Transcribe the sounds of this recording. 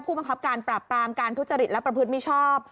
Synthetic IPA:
pʰuː˥˩ba˧ŋkʰa˦˥p̚kaː˧npɾaː˨˩pːɾaː˧mkaː˧nt̪ʰu˦˥t̪̚t͡ɕa˧ɾi˨˩t̪̚lɛ˦˥pɾa˧pʰɯ˦˥t̪mi˦˥˩t͡ɕʰɔː˥˩p̚

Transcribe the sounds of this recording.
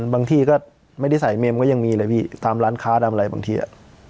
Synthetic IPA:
baː˧ŋt̪ʰiː˧˩kɔː˥˩ | ma˥˩jda˥˩sa˩˦jme˧mkɔː˥˩ja˧ŋmiː˧lɤː˧jpʰiː˥˩t̪aː˧mɾaː˦˥nkʰaː˦˥da˧ma˧ɾa˧jbaː˧ŋt̪ʰiː˧ʔa̰˨˩ʔ

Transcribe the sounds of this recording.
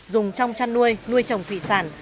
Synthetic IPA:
zʊ˨˩ŋ͡mt͡ɕɔ˧wŋ͡mt͡ɕa˧nːu˧əjnu˧əjt͡ɕə˨˩wŋ͡mt̪ʰwḭ˧˨saː˧˩n

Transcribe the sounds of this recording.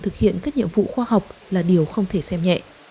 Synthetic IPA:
t̪ʰɨ˨˩k̚hḭ˧˨ənkaː˦˥k̚ɲḭ˧˨əmvṵ˧˨xwaː˧ha˨˩wk͡p̚laː˨˩ɗi˨˩əwxə˧wŋ͡mt̪ʰe˧˩sɛ˧mɲɛ̰˧˨ʔ

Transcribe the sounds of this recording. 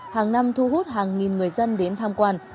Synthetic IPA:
haː˨˩ŋna˧mt̪ʰu˧ɦu˦˥t̚ɦaː˨˩ŋːi˨˩nŋɨ˨˩əjzə˧nɗe˨˦nt̪ʰaː˧mkwaː˧n

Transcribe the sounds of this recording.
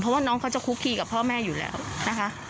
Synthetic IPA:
pʰɔ˦˥waː˥˩nɔː˦˥ŋkʰa˦˥wt͡ɕa˨˩kʰuː˦˥kʰiː˧˩ka˨˩pʰːɔː˥˩mɛː˥˩juː˨˩lɛ̰ː˦˥wna˦˥kʰa˦˥

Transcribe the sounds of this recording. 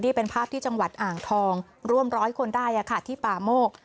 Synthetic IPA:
niː˥˩pe˧npʰaː˥˩p̚t̪ʰiː˥˩t͡ɕa˧ŋwa˨˩t̪̚ʔaː˨˩ŋt̪ʰɔː˧ŋ | ɾu˥˩əmɾɔː˦˥jkʰo˧ndaː˥˩jʔa˨˩kʰa˧˥˩t̪ʰiː˥˩paː˨˩moː˥˩k̚

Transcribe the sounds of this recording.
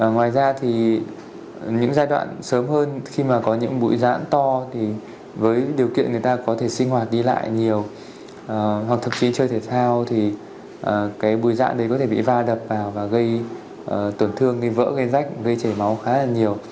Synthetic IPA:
ŋwaː˨˩jzaː˧t̪ʰi˨˩ | ɲɨ̰˧˥ŋzaː˧jɗwa̰ː˧˨nsəː˨˦mhəː˧nxi˧maː˨˩kɔ˨˦ɲɨ̰˧˥ŋɓṵ˧˥jza̰ː˧˥nt̪ɔ˧t̪ʰi˨˩ | vəː˨˦jɗi˨˩əwkḭ˧˨ənŋɨ˨˩jt̪aː˧kɔ˨˦t̪ʰe˧˩sï˧ŋ̟hwaː˨˩t̚ɗi˧la̰ː˧˨jɲi˨˩əw | ʔːwa˨˩k̚t̪ʰə˨˩m̚t͡ɕi˨˦t͡ɕəː˧jt̪ʰe˧˩sʰaː˧wt̪ʰi˨˩ | ʔəː˨˩kaː˨˦jɓṵ˧˥əjza̰ː˧˥nɗə˨˦jkɔ˨˦t̪ʰe˧˩ɓḭ˧˨vaː˧ɗə˨˩p̚vaː˨˩wvaː˨˩ɣə˧j | ʔəː˨˩t̪ə˨˧˩nt̪ʰɨ˧əŋɣə˧jvə̰ː˧˥ɣə˧jza˦˥k̟̚ɣə˧jt͡ɕə˧˩jma˨˦wxaː˨˦laː˨˩ɲi˨˩əw

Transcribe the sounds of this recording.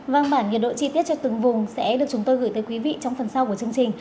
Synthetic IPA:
vaː˧nɓaː˧˩nɲə˨˩ɗo̰˧˨t͡ɕi˧t̪i˦˥ət̚t͡ɕɔ˧t̪ɨ˨˩ŋvʊ˨˩ŋ͡msɛ̰˧˥ɗɨ˨˩ək̚t͡ɕʊ˨˦ŋ͡mt̪o˧jɣɨː˧˩jt̪əː˨˦jkwi˨˦vḭ˧˨t͡ɕɔ˧wŋ͡mfə˨˩nsa˧wku˧˩ət͡ɕɨ˧əŋt͡ɕï˨˩ŋ̟

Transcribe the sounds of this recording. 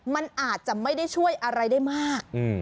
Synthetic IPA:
ma˧nʔaː˨˩t̪̚t͡ɕa˨˩ʔma˥˩jda˥˩jt͡ɕʰu˥˩əjʔa˧ɾa˧jdaː˥˩jmaː˥˩k̚ɯ˧˩

